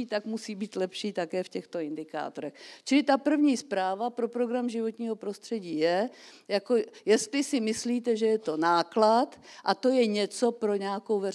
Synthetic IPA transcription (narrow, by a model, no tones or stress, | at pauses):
iːt̪akmusiːbiːt̪lɛpʃiːt̪akɛːfcɛxt̪o̞ɪnd̪ɪka̰ːt̪oɾɛxt͡ʃɪlɪt̪apr̩vɲiːspɾaːvapɾo̞pɾo̞ɡɾamʒɪvo̞t̪ɲiːɦo̞pɾo̞st̪r̥ɛɟiːjɛjako̞jɛst̪lɪsɪmɪsliːt̪ɛʒɛjɛt̪o̞naːklat̪ʔat̪o̞jɛɲɛt͡so̞pɾo̞ɲɛakowvɛr